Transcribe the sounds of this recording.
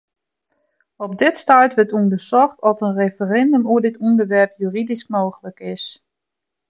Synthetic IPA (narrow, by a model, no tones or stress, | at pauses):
ɔp̚dɪtstœɥtʋətundəsɔxtɔtənrefərɛndəmuədɪtɔndəɹʋɛrpjyːridismoːɣələkɪs